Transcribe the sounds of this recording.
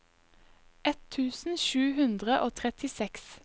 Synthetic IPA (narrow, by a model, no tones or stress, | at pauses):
ʔɛt̪ʰʉːsn̩ʃʉːhʉnd̪ʁəʔoːt̪ʰʁɛt̪ɪsɛks